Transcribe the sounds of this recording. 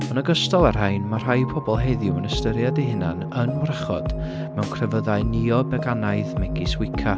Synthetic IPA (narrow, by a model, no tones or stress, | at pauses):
ɔnəɡəstɔlˠarɦajnmar̥ajpʰɔbɔlˠɦeðʊwənəstəɾjadeɦɪna̰n | ənrəχɔ̰d̥ | mɛwnkʰrɛvəðaɨniɔbɛɡanaɨðmɛɡiswɪkʰa